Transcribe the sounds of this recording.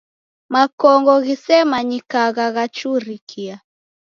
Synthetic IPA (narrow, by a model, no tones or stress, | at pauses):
makɔŋɡɔɣisɛmaɲikaɣaɣat͡ʃuɾikʰia